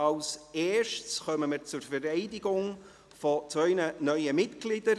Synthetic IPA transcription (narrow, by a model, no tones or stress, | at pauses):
ɑlseːʃtsχœməməɾt͡sʊɾfɛɾɛɪdɪɡʊŋ | fot͡svœʏnənœʏəmɪtɡ̥lɪd̥əɾ